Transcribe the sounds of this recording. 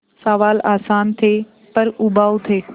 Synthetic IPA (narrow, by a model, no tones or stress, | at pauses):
saʋaːlaːsaːnt̪ʰeː | pɐɾʊbaːut̪ʰeː